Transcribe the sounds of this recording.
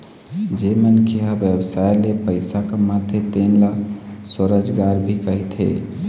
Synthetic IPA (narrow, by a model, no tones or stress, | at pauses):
d͡ʒemənkʰiɦabjəbsajlepəɪsakemat̪ʰet̪enləsəɾəd͡ʒɡaɾbʱikəɦit̪ʰɦḛ